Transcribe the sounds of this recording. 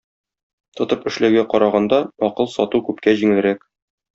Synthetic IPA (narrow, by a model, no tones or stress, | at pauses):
t̪ŏt̪ɤpɘ̆ʃlæwɡæqɒɾɑʁɑnd̪ɑɒqɤlˠsɒt̪ukʉpkæʑiŋɘ̆lɘ̆ɾæk